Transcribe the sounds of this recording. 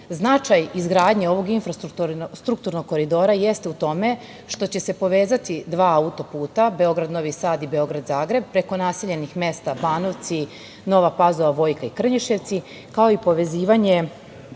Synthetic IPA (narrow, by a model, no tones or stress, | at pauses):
znat͡ʃajizɡɾaːd̪ɲeo̞ʋo̞ɡinfɾast̪ut̪ust̪ɾuk̚t̪uɾno̞ɡ̚kːo̞ɾid̪o̞ɾaje̞st̪eut̪o̞me̞ | ʃt̪o̞t͡ɕe̞se̞po̞ʋeːzat̪id̪ʋaːaut̪o̞puːt̪abe̞o̞ɡɾad̪no̞ʋisaːd̪ibe̞o̞ɡɾad̪zaːɡɾe̞b̚pɾe̞ko̞naːse̞ʎe̞nixme̞st̪abaːno̞ʋt̪si | no̞ʋapazoʋaʋo̞ːjkaikr̩ɲiʃe̞ʋt̪si | kao̞ipo̞ʋe̞ziːʋaɲe